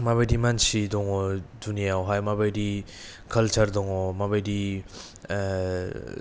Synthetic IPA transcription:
maβajdimansidɔŋɔdunijawɦajmabajdi | kʰɐlt͡ʃʰaɾdɔŋɔmabajdi

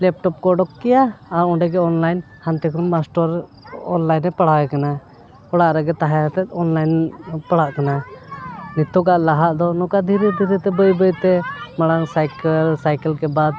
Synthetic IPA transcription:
lɛp̚ʈɔp̚kɔɖɔkːɛjaːɾɔɳɖɛɡɛɔnlajn | hant̪ɛkʰɔnmasʈɔɾ | ɔ̰nlajnːɛpaɽaɡɛkana | ɔɽaʔɾɛɡɛt̪aɦaɛt̪ɛt̪̚ɔnlajnpaɽaʔkana | nit̪ɔɡaʔlaɦaʔd̪ɔnɔkad̪ʱiɾɛd̪ʱiɾɛt̪ɛbəjbəjt̪ɛmaɽaŋsajklsajkɛlkɛbad̪

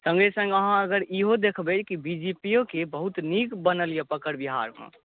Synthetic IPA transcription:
sə̃ŋɡesə̃ŋɡəɦãəɡəɾiɦod̪ekʰbɛt͡ʃʰkibid͡ʒipijokebəɦut̪nikbənəljapəkəɾbiɦa̰ɾɦṵ̃

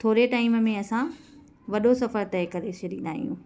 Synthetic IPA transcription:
t̪ʰoːɾeʈaːɪmmẽɐsã | ʋɐɗosɐfəɾt̪ɛːkɐɾeseɾĩːnd̪aːɦḭjṵ̃ː

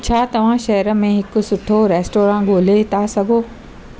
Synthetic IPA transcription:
t͡ɕʰaːt̪ɐʋ̤ãʃɐɦɾə̆mẽɦɪkʊsʊʈʰoːɾeːsʈoːɾãːɡʱoːlet̪ʰaːsɐɡʱoː

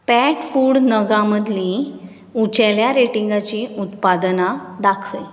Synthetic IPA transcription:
pæʈfuːɽnəɡãməd̪ʱlĩ | ut͡ɕaljaɾeʈiŋɡat͡ɕiut̪pad̪nad̪akʰʋəj

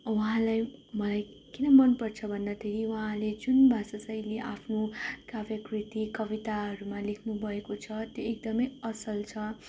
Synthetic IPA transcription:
uɦãlajmʌlaj | kinʌmʌnpʌrt͡sʰʌbʱʌnd̪at̪ʰeɾiuɦãled͡zunbʱasʌsajleʔapʰnokabjʌkrit̪ikʌbit̪aɦʌɾumalekʰnubʱʌekot͡sʰʌt̪joek̚d̪ʌmʌjʌsʌlt͡sʰʌ

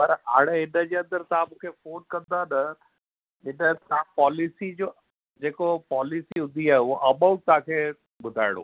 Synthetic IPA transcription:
pɐɾɦa̰ːɽeɦɪnəd͡ʑeːɐ̃nd̪əɾt̪ɐɦãmũːkʰefoːnkɐ̃nd̪anɐ | ɪnət̪ãpɔːlɪsid͡ʑoː | d͡ʑeːkopɔːlɪsiɦʊ̃nd̪ʱiaːeuoʔɐɓaut̪aãkʰeː | ɓʊd̪ʱaːɪɽ̃o̰ː

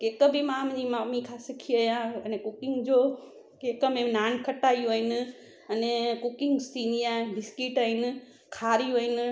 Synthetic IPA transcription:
keːkəbɪmãːmɲimaːmikʰasɪkʰiəjãɐnẽkʊkɪŋɡd͡ʑoː | keːkəmẽnaːnkʰɐʈaːjoɦɪnɪ̆ | ɐnẽkʊkɪŋɡsinijabɪskiʈəɦɪnɪ̆ | kʰaːɾioːɦɪnɪ̆

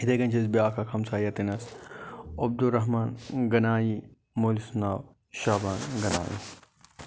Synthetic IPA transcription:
it̪ɐɡɐnʲt͡ʃʰɐsbiaːkʰɐkʰɐmsaːjɐt̪inɐs | ob̚d̪uɾɐɦmaːnɡɐnaːji | moːlisunaːw | ʃaːbaːnɡɐna̰ːjḭ

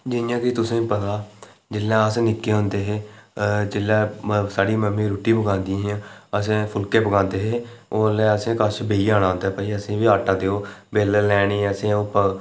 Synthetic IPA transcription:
d͡ʒɪnjãːkit̪ʊsẽːpət̪aː | d͡ʒɪlːãːəsnɪkːeːɦʊ̃nd̪eːɦeːd͡ʒɪlːɛ̃ːsaːɽiːməmĩːɾuːʈiːpəɡãːnd̪iĩːɦãːəsẽːpʰʊlkeːpəɡãːnd̪eːɦeːoːəleːəsẽːkəsbeːiːaːɽ̃aːɦõnd̪aːɦːpaːiːəsẽːʋiːaːʈaːd̪eːoːbeːləlɛːɽiːəsẽːoːpə

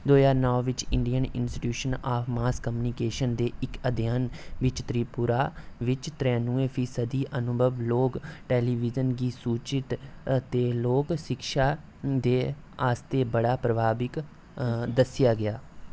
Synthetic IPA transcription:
d̪oːzaːɾnɔːʋɪt͡ʃɪɳɖijənɪ̰nsʈi̥ʈjuːʃənaːpʰmaːskəmjuːniːkeːʃənd̪eːɪkəd̪ʱɪjaːnʋɪt͡ʃt̪ɾiːpʊɾaːʋɪt͡ʃt̪ɾɛ̃nũːẽːpʰiːsəd̪iːʔənʊbʱəʋloːkʈɛːliːʋɪzənɡiːsuːt͡ʃɪt̪t̪eːloːkʃɪkʃaː | d̪eː | aːst̪eːbəɽaːpɾəbʱaːbɪk | d̪əsɪjaːɡɪaː

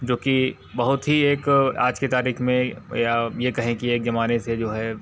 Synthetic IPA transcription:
d͡ʒoːki | bɐɦʊt̪ɦieːka̰ːd͡ʒket̪aːɾiːxmẽjajekɐɦẽkieːkzɐmaːnesed͡ʒoːɦɛː

